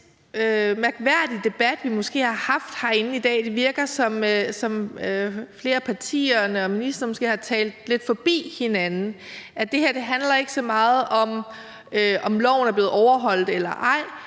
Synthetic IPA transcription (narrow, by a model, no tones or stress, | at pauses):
ømæɐɡ̥ʋæɐ̰d̥id̥e̝b̥æd̥ʋimɔ̽sɡ̥e̝̰ːhɑ̈hɑ̈fd̥hɑ̈e̝nn̩id̥ɛ̰ːd̥e̝ʋiɐɡ̥ɐsɒ̽møsɒ̽møfle̝ːɐpʰɑ̈t͡sʰḭːɐnəɒ̽minisd̥ɐnmɔsɡ̥e̝̰ːhɑ̈t͡sʰɛ̰ːld̥le̝d̥fɒ̽b̥ḭːhe̝nænn̩ʔæd̥e̝hæɐ̰d̥e̝ɦænlɐe̝ɡ̥əsɒ̽mɑ̈ːð̞̩ˠɒ̽m | øʔɒ̽mlɒ̰ʊ̰n̩æɐb̥le̝ːð̩ˠɒʊɐɦɒ̽l̰d̥elɐʔɑ̈ɪ̰